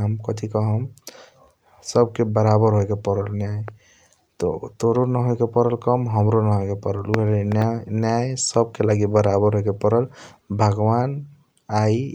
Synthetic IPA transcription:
ɦəmkɔt̪ʰikɔɦəm | səb̚kebəɾabəɾɦojkepɔɾəlnjaj | t̪ɔ̰t̪oɾonəɦoekepɔɾəlkɔmɦəmɾonɦoekepɔɾəlukelnjanjajsəb̚kelaɡibəɾabəɾɦojkepəɾəlbʱəɡwan | ai

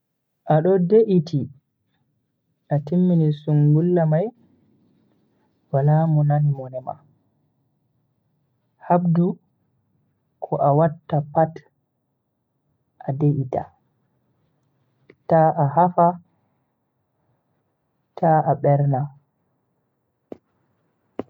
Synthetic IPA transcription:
ʔaɗɔdeʔitʰi | ʔatimːinisuŋɡulːamaj | walamunanimɔnɛma̰ | habdu | kʰɔʔawatːapat | ʔadeʔita̰ | taʔahafa | tʰaaɓɛɾna

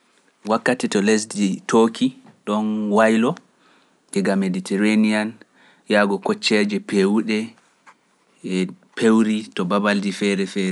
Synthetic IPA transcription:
wakːatɛtɔlesditʰoːkʰi | ɗɔnwajlɔ | d͡ʒɛɡameditɛɾanian | jaɡɔkɔt͡ʃːɛd͡ʒɛpewuɗɛ | pʰewɾitɔbabaldifɛɾɛfɛːɾɛ

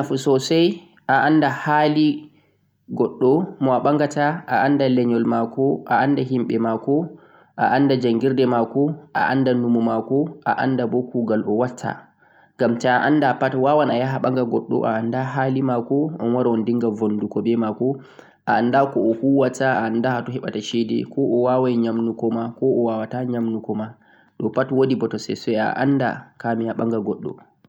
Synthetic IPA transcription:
afusɔsaj | ʔaʔandahali | ɡɔɗːɔmɔaɓaŋɡataʔaʔandalɛɲɔlmakɔʔaʔandaɦimɓɛmakɔ | ʔa̰ʔandad͡ʒaŋɡiɾdɛmakɔʔa̰ʔa̰ndanumumakɔʔaʔa̰ndabɔkuɡalʔɔwatʰːa̰ | ŋɡamtaaʔandapatwawanajaɦaɓaŋɡaɡɔɗːɔ̰ʔa̰andaɦalimakɔɔnwaɾawɔndiŋɡavondukɔbɛmakɔ | ʔaːndakɔɔhuwatːaaːndahatɔɦɛɓataʃɛdɛ̰kʰɔʔɔwawajɲamnukɔmakɔɔwawataɲamnukɔma | ɗɔpatwodibɔtɔsɛ̰sɛja̰ʔa̰nda̰kamihaɓa̰ŋɡaɡɔɗːɔ̰

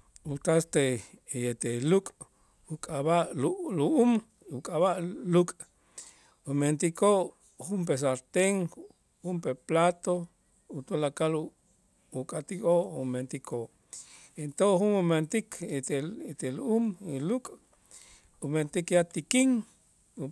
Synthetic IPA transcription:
ut̪ast̪ejet̪elukʼ | ukʼaβaʔluluʔum | ukʼaβaʔlukʼ | ument̪ikʰoʔ | xumpes̬aɾt̪eŋ | humpeplat̪o | ut̪ulakal | ukʼat̪ikʼoʔument̪ikʰoʔ | ent̪oŋxunument̪ikeet̪eluʔumlukʼ | ument̪ikjat̪ikiŋ | u

